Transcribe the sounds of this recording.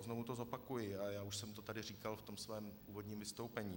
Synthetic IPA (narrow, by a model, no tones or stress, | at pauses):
znovut̪ozo̞pakujɪajaːuʃsɛmt̪o̞t̪adɪr̝iːkalft̪omsvɛːmuːvo̞dɲiːmvɪst̪o̞wpɛɲiː